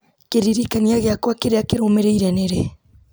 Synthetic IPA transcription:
keɾiɾikaniaɣeakwakeɾeakeɾomeɾeiɾɛneɾe

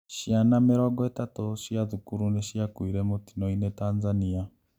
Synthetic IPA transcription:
ʃianameɾwaɡetatoʃiaðukuɾuneʃiakwiɾemoti̥noinetaːnzania

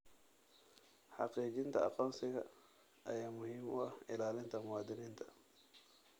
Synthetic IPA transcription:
ħɑqiːt͡ʃɪnt̪ʰɐ̰ɑ̰qɔːnsɪɣɐ | ʔɐ̰jaːmʊhiːmʊʔɐhɪlaːlɪnt̪ʰɐmʊwɑːd̪ɪniːnt̪ʰɐ̥

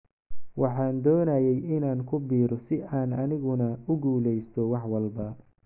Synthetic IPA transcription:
wɑħɑːnd̪ɔːnɐjɛjɪnaːŋkʰʊbiːɾɔsɪʔaːnɐnɪɣʊnɐʊɡuːlɛjst̪ʰɔwɑħwɐlbɐ

